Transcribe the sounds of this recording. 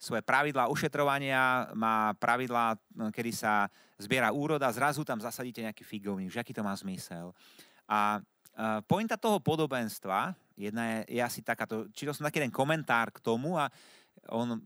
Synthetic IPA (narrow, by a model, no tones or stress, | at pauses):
sʋɔjɛpɾaʋid̪laːuʃɛt̪ɾɔʋaɲɪamaːpɾʔaʋid̪laːkɛd̪isa | zbɪɛɾauːɾɔd̪azɾazut̪amzasaɟiːcɛɲɛakiːfiɡɔʊɲiːɡʒɛakiːt̪ɔmaːzmisɛl | ʔa | pɔjint̪at̪ɔɦɔpɔd̪ɔbɛnst̪ʋa | jɛd̪najɛjɛ̰asit̪akaːt̪ɔt͡ʃiːt̪ɔlsɔmt̪akiːɛd̪ɛnkɔmɛnt̪aːɾkt̪ɔmua | ɔ̰n